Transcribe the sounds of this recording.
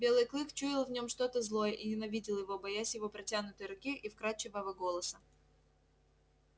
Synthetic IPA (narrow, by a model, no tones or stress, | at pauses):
bʲe̞lˠɨjklˠɨxt͡ɕuɪlˠvnʲo̞mʂt̪o̞t̪əzlˠo̞jəʔinʲɪnɐvʲidʲɪlˠjɪvobɐjasʲjɪvo̞pɾɐtʲanʊt̪əjɾʊkʲiʔifkɾat͡ɕːɪvavəɡo̞lˠəsə